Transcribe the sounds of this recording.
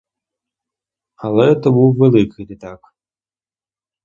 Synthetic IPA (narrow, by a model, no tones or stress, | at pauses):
ɐlɛɛt̪ɐbɨwvɛlˠɨkd̪ɨt̪ak